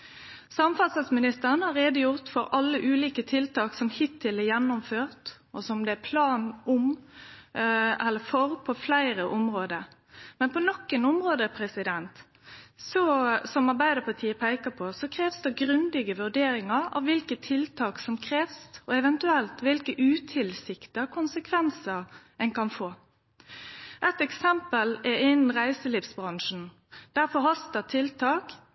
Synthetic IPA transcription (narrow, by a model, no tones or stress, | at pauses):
sɑmfɑsɑlsmɪnɪst̪əʁənhɑʁeːd̪əjʊʁt̪fɔɾɑlːəʔʉːliːkət̪ʰɪlt̪ɑːksɔmhɪt̪ʰːɪlɛjɛnːʊmføːʁt̪ | ɔsɔmd̪ɛæpʰlɑːnʊm | ɛlːəfɔɾpʰɔflæɪɾəʔɔmʁoːd̪ə | mɛnpʰɔnɔkːənɔmʁoːd̪əəpʰɾɛsɪd̪ɛnt̪ | sɔsɔmɑʁbæɪd̪əpʰɑt̪ʰiːəpʰæɪkəpʰɔsɔkʰɾeːʋsd̪ɛɡɾʉnd̪ɪɡəʋʉɖeːɾɪŋɑɾɑ̰ʋʋɪlkət̪ʰɪlt̪ʰɑːksɔmkʰɾeːʋsɔɛʋɛnt̪ʉɛlt̪ʋɪlkəʔʉːt̪ʰɪlsɪkt̪əɑkʰʊnsəkʰʋɛnsəɾ | ɛnkɑnfoː | ʔɛt̪ɛksɛmpəlɛɪnn̩ʁæɪsəliːfsbʁɑŋʂn̩ | d̪̥æɾfɔɦɑst̪ət̪ʰɪlt̪ʰɑːk